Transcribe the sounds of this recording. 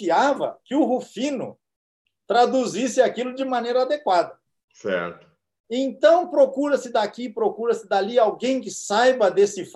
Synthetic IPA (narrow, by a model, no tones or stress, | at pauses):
iavɐ̰kɪʊɦufĩnʊ̰ | t̪ɾad̪uzisɪakilʊd͡ʒɪmɐnejɾɐːd̪ekwad̪ɐ | sɛ̰ɾt̪ʊ̥ | ẽnt̪ɐ̃w̃pɾokuɾɐsɪd̪akipɾokuɾɐsɪd̪aliawɡẽj̃kɪsajbɐd̪esɪf